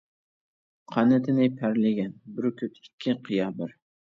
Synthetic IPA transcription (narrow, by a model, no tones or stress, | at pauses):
qʰɑnɪt̪ʰɪnɪpʰæɾlɪɡʲanbɪɾkʲʰɵt̪ɪkʲʰːɪqʰɨjɑbɪɾ